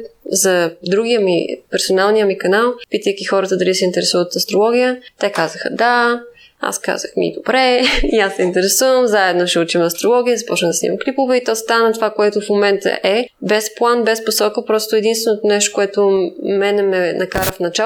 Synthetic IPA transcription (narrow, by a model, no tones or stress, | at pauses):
zɐd̪ɾuɡijəmḭpɛɾsonalˠnijəmikɐnalˠpit̪əjk̟ixɔɾət̪əd̪ɐlisɛint̪ɛɾɛsuvət̪ɐst̪ɾolˠɔɡ̟ʲijət̪ɛkazəxə̰d̪a | a̰ska̰zəxmḭd̪obɾɛiasːɛint̪ɛɾɛsuvəmzaɛd̪noʃɛut͡ʃimɐst̪ɾolˠɔɡ̟ʲijəzɐpɔt͡ʃnəd̪ɐsnḭməklipovɛit̪ɔst̪anət̪ovakoɛt̪ʊfmomɛnt̪ə̰ʔɛbɛsplˠanbɛsposɔkəpɾɔst̪oɛd̪inst̪vɛnot̪onɛʃ̬t̪o̥koɛt̪omɛnɛmɛnʔɐkaɾəfnɐt͡ʃa